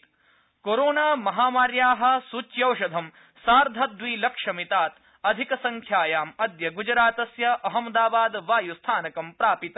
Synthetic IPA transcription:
koɾoːnaːmɐɦaːmaːɾjaːɦɐ̆sut͡ʃjɐwʃɐd̪ʱɐm | saːɾd̪ʱɐd̪ʋiːlɐkʂɐmit̪aːt̪ | ɐd̪ʱikɐsɐŋkʰjaːjaːmɐd̪jɐɡud͡ʒɾaːt̪ɐsjɐʔɐɦɐmd̪aːbaːd̪ʋaːjust̪ʰaːnɐkɐmpɾaːpit̪

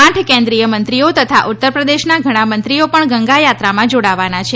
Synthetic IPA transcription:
ãʈʰkẽnd̪ɾijəmənt̪ɾiot̪ət̪ʰaʔut̪ːəɾpɾəd̪eʃnaɡʱəɽ̃amənt̪ɾiopəɳɡəŋɡajat̪ɾamãd͡ʒoɽaʋanat͡ʃʰe

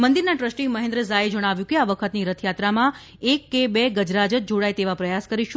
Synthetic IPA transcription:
mənd̪iɾnaʈɾəsʈiməɦẽnd̪ɾəzaed͡ʒəɽ̃aʋjũkeaʋəkʰət̪niɾət̪ʰjat̪ɾamã | ekːebeɡəd͡ʒɾad͡ʒət̪̚d͡ʒoɽajt̪eʋapɾəjaskəɾiʃũ

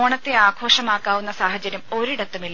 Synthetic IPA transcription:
oːɳɐt̪ːeaːɡʰʱo̞ːʂɐmaːkːaːʋunːɐsaːɦɐt͡ɕːɐɾjɐmo̞ɾiɽɐt̪ːumilː

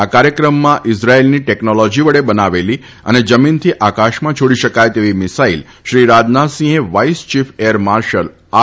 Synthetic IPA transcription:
akaɾjəkɾəmːãʔɪsɾaelniʈɛknolɔd͡ʒiʋəɽebənaʋeli | ə̰ned͡ʒəmint̪ʰiʔakaʃmãt͡ʃʰoɽiʃəkajt̪eʋimɪsail | ʃɾiɾad͡ʒnasĩɦeʋaist͡ʃifʰeəɾmaɾʃəl | a

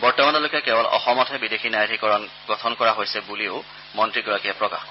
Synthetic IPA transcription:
bɔɹtɔmantalokiakɛbɔlɔ̰xɔmɔtʰɛbidexʰinajtʰikɔɹɔn | ɡɔtʰɔnkɔɹaɦojsɛbulio | mɔntɹiɡɔɹakijapɹɔka̰x

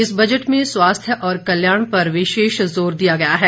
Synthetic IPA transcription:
ɪsbɐd͡ʒəʈmẽswaːst̪ʰjəʔɔːɾkɐljaːɽ̃pɐɾʋɪʃeːʃzoːɾd̪ijaɡɐjaɦɛː

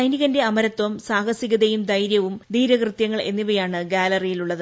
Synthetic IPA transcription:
ɐjniɣɐnde̞ɐmɐɾɐt̪ʋɐmsaːhɐsiɣɐðɐjumd̪ɐjɾjɐʋumd̪iːɾɐɣrɨt̪jɐŋːɐɭe̞̰nːiʋɐjaːɳɨɡaːlɐrijiluɭːɐðɨ

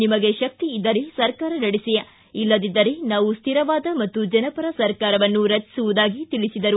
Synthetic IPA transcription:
nimɐɡe̞ʃɐk̚t̪iːd̪ːɐɾesɐɾkaːɾɐnɐɽisijɐ | ilːɐd̪id̪ːɐɾenaːʋust̪ʰiɾɐʋaːd̪ɐmɐt̪ːud͡ʒɐnɐpɐɾɐsɐɾkaːɾɐʋɐnːuɾɐt͡ʃːi̥suʋud̪aːɡit̪iɭisid̪ɐɾu

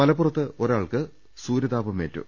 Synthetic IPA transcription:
mɐlɐpːurɐt̪ːɨo̞ɾaːɭkɨ | suːɾɐðaːbɐme̞ːtːṵ

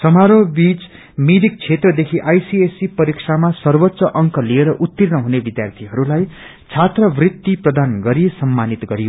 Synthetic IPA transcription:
sʌmaɾobit͡s | miɾik̚t͡sʰet̪rʌd̪ekʰiʔajsiesipʌɾiksʰamasʌrbʌt̪ːsʌʔʌŋkʌlieɾʌʔut̪ːirnʌɦunebid̪jart̪ʰiɦʌɾulaj | t͡sʰat̪rʌbrit̪ːiprʌd̪anɡʌɾijesʌmːanit̪ɡʌɾijo

